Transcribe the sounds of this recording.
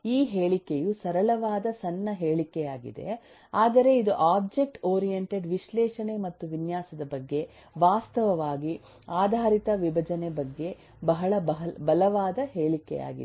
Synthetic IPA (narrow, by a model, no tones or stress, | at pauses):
iːɦeːɭikejusɐɾɐɭɐʋaːd̪ɐsɐnːɐɦeːɭikɛjaːɡḭd̪e̞̰ | aːd̪ɐɾe̞id̪uʔaːb̚d͡ʒe̞k̚ʈoːɾijeɳʈe̞ɖʋiʃlɛːʂɐnemɐt̪ːuʋinjaːsɐd̪ɐbɐɡːe̞ | ʋaːst̪ɐʋɐʋaːɡi | aːd̪ʱaːɾit̪ɐʋibʱɐd͡ʒɐnebɐɡːe̞ | bɐɦɐɭɐbɐɦɐbɐlɐʋaːd̪ɐɦeːɭikɛ̰ja̰ːɡḭ